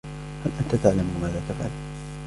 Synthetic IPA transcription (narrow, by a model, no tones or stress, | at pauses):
halʔant̪at̪aʕlamuːmaːðaːt̪afʕa̰l